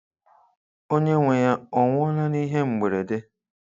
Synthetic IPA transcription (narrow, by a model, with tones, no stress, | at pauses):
o˦ɲe˦ŋʷe˨ja˦ɔ˨ŋʷʊ˦ɔ˦la˦ni˦ɦe˦ŋ͡m̩˨ɡ͡be˨ɾe˨de˦